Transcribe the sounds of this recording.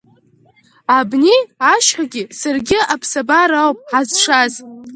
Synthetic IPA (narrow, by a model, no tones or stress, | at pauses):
abniaʃħaɡʲɪsarɡʲɪapʰsabaɾawpʼħazʂaz